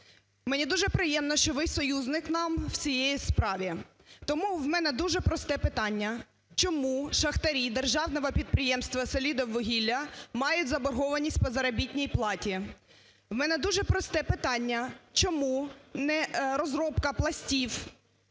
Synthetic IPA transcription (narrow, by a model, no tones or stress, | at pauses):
mɛnʲid̪uʒɛpɾɪjɛmnɔʃt͡ʃɔʋɪjsɔjuznɪknɑmw̥t͡sʲijejispɾɑʋʲi | t̪ɔmuwmɛnɛd̪uʒɛpɾɔst̪ɛpɪt̪ɑnʲːɐ | t͡ʃɔmuʃɐxt̪ɐɾʲid̪erʒɑwnɔʋɐpʲid̪̚pɾɪjɛmst̪ʋɐsɔlʲid̪ɔwʋːɔɦʲilʲːɐmɑjʊtʲzɐbɔrɦɔʋɐnʲisʲtʲpɔzɐɾɐbʲitʲnʲijplˠɑtʲi | wmɛnɛd̪uʒɛpɾɔst̪ɛpɪt̪ɑnʲːɐt͡ʃɔmunɛɾɔzɾɔpkɐplˠɐsʲtʲiw